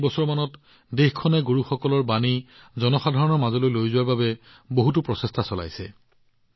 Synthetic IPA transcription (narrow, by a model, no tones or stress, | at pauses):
bɔsɔɹmanɔt | dexkʰɔnɛɡuɹuxɔkɔlɔɹbanizɔnɔxadʱaɹɔnɔɹmazɔlojlojzʊwaɹbabɛ | boɦut̬ʊpɹɔsestʰasɔla̰jsɛ̰